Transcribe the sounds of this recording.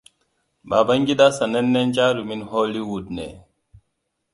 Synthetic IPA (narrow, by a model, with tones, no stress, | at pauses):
ba˨ba˦ŋɡi˦da˦sa˨ne˦nːe˦nt͡ʃa˦ɾu˨mi˦nɦoː˦li˦wu˨d̚nḛ˨